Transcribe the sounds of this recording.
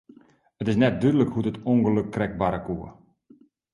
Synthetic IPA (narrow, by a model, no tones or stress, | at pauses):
ətɪsnɛt̚dydələkhudətoŋɡəlɵkːrɛk̚baɾəkuə